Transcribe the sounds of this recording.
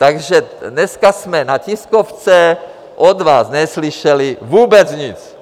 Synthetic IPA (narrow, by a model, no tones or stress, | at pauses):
t̪aɡʒɛnɛskasmɛnaciskoft͡sɛ | ʔod̪vaːsnɛsliʃɛlivuːbɛt͡sɲit͡s